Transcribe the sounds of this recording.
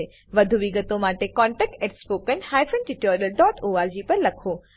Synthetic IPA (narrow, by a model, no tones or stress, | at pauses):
e | ʋɐd̪ʱuʋiɡət̪omaːʈekɔ̃ːɳʈɛːk̚ʈeʈspoːkənhaːjfənʈiʈoːɾijəlɖɔːʈoːaːɾd͡ʑiːpɐɾlɐkʰoː